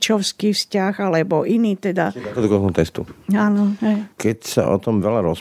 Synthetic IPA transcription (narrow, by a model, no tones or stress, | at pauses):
t͡ʃɔʊskiːfscaxalɛbɔʔiniːt̪ɛd̪akɔd̪uɡɔɦɔt̪ɛst̪ṵaːnɔɦɛjkɛcsa̰ʔɔt̪ɔmʋɛlaɾɔs